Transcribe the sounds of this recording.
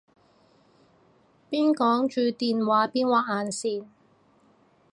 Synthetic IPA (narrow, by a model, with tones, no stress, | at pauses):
piː˥nkɔː˨˥ŋt͡ʃyː˨˧t̪iː˨nwaː˨˥piː˥nwaː˨˩k̚aː˨˧nsiː˨˧n